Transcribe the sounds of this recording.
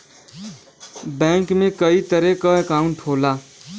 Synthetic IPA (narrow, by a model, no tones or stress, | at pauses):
bɛ̃ŋkmẽkəit̪əɾekəekaʊ̃ɳʈʰoːla